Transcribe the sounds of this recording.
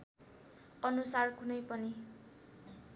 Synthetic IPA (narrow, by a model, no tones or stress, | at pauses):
ʌnusarkunʌjpʌni